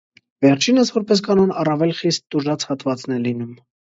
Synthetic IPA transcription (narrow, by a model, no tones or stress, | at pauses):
vɛɾt͡ʃʰinəsvɔɾpɛs̬kɑnɔnɑrɑvɛlχist̪ːuʒɑt͡shɑt̪vɑt͡snɛlinum